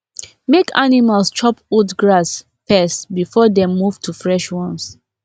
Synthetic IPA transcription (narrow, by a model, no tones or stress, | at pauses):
mekanimalst͡ʃɔpudɡɹas | pɛsbifɔdɛ̃mːuvtʰufɹɛʃwɔ̃ns